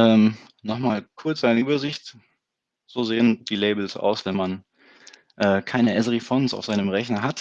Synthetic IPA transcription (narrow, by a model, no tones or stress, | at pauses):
ʔɛːm | nɔχmaːlkʰʊɐt͡sz̥aɪnəʔyːbɐzɪçt | z̥oːzeːənd̥iːleɪbl̩sʔa̰ʊsv̥ɛnman | ʔɛːkʰaɪnəʔɛzəʁifɔnsa̰ʊfzaɪnəmʁɛçnɐɦat